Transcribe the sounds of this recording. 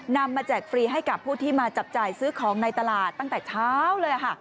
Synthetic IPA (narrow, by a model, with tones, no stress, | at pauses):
na˧mːaː˧t͡ɕɛː˨˩k̚fɾiː˧ɦa˥˩jka˨˩pʰːuː˥˩t̪ʰiː˥˩maː˧t͡ɕa˨˩p̚t͡ɕaː˨˩jsɯː˦˥kʰɔː˩˦ŋna˧jt̪a˧laː˨˩t̪ːa˥˩ŋt̪ɛː˨˩t͡ɕʰaː˦˥wlɤː˧jʔa˨˩kʰa˥˩